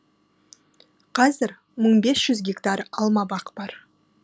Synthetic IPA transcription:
qʰɑzɪɾ | məɴbesʒ̥ʏzɡʲekt̪ɑɾɑlˠmɑbɑqb̥ɑɾ

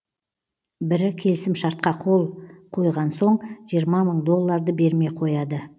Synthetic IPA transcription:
bɪɾɪkʲʰe̞lɪsɪmʃɑɾt̪̚qɑqʰo̞lˠqʰo̞jʁɑnso̞ɴʒijəɾmɑməɴd̪o̞lˠːɑɾd̪əbe̞ɾme̞qʰo̞jɑd̪ə

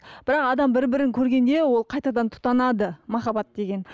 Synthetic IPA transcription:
b̥ɪɾɑqɑd̪ɑmbɪɾbɪɾɪŋkʲʰɵɾɡʲe̞nd̪e̞wo̞lˠqʰɑjt̪ɑd̪ɑnt̪ʰʊ̥t̪ɑnɑd̪əmɑχɑbɑt̪̚d̪e̞ɡʲe̞n

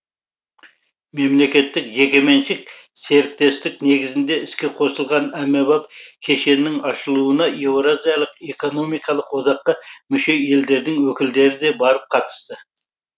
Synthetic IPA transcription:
me̞mle̞kʲe̞t̪ːɪkʒe̞kʲe̞me̞nʃɪk̚se̞ɾɪk̚t̪e̞st̪ɪk̚ne̞ɡɪzɪnd̪e̞ɪskʲe̞qʰo̞səlˠʁɑnæmːebɑp̚kʲʰe̞ʃe̞nːɪŋɑʃəlˠuənɑjewɾozijɑlˠəqe̞ko̞no̞mijkɑlˠəqwod̪ɑqːəmʏʃe̞e̞ld̪e̞ɾd̪ɪŋwɵkʲɪld̪e̞ɾɪd̪e̞bɑɾəp̚qʰɑt̪ə̥st̪ə

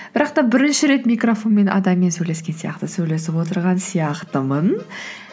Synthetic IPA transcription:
b̥ɪɾɑqt̪ɑbɪɾɪnʃɪɾe̞t̪mijkrofo̞nme̞nʔɑ̰d̪ɑmːe̞nsɵjle̞skʲe̞nsijɑ̰qt̪əsɵjle̞sɪpwo̞t̪əɾʁɑnsijɑqt̪əmən

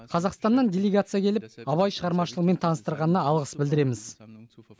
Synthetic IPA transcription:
qʰɑzɑqst̪ɑnd̪ɑndʲelʲeɡat̪sɨjakʲʰe̞lɪp̚ɑβɑjʃəʁɑɾmɑʃəlˠəqme̞nt̪ʰɑnəst̪əɾʁɑnənɑɑlˠʁəsbɪld̪ɪɾe̞mɪz

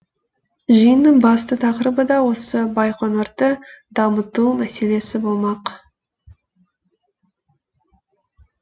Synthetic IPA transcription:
ʒəjənːəɴbɑst̪ət̪ʰɑqɾəbəd̪ɑwo̞səbɑjqʰonoɾt̪əd̪̥ɑmət̪umæse̞le̞sɪbolˠmɑq

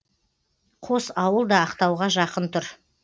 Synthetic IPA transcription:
qʰosɑwəlˠd̪ɑːqt̪ɑwʁɑʒɑqənt̪ʰʊɾ

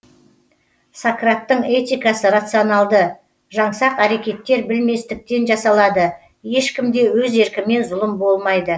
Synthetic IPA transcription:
sakrat̪ːəɴe̞t̪ʲijkɑsəɾat̪sɨonɑlˠd̪ə | ʒɑɴsɑqæɾe̞kʲe̞t̪ːe̞ɾbɪlme̞st̪ɪk̚t̪e̞nʒɑsɑlˠɑd̪ə | je̞ʃkʲɪmd̪e̞wɵze̞ɾkʲɪme̞nzʊlˠəmbo̞lˠmɑjd̪ə

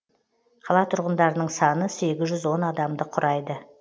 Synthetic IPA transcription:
qʰɑlˠɑt̪ʰʊɾʁənd̪ɑɾənəɴsɑnəse̞ɡʲɪzʒʏzwo̞nɑd̪ɑmd̪əqʰʊɾʔɑjd̪ə

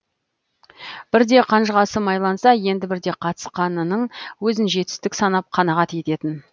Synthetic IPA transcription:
b̥ɪɾd̪e̞qʰɑnʒəʁɑsəmɑjlˠɑnsɑje̞nd̪ɪbɪɾd̪e̞qʰɑt̪ə̥sqɑnənəɴwɵzɪnʒe̞t̪ɪ̥st̪ɪksɑnɑp̚qʰɑnɑʁɑt̪je̞t̪e̞t̪ɪn

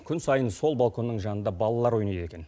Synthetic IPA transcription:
kʲʰʏnsɑjənso̞lˠbɑlˠkʰo̞nːəɴʒɑnənd̪ɑbɑlˠɑlˠɑɾwo̞jnɑjd̪e̞kʲe̞n

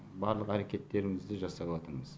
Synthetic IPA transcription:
bɑɾlˠəqæɾe̞kʲe̞t̪ːe̞ɾɪmɪzd̪ɪʒɑsɑwɑt̪əɾməz̥

